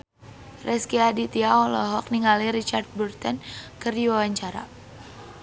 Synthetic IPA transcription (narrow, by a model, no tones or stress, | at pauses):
rɛskiadit̪iaɔlɔɦɔk̚niŋaliɾit͡ʃart̪̚burt̪ɔnkɨrdiwawaɲt͡ʃaɾa̰